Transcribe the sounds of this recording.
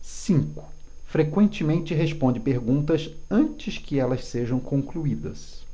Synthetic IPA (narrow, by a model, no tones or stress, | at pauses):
sĩŋkʊ̥ | fɾekwẽnt͡ʃɪmẽnt͡ʃɪɦespõnd͡ʒɪpeɾɡũnt̪ɐsɐ̃t͡ʃɪskɪɛlɐsseʒɐ̃w̃kõŋkluid̪ɐ̰s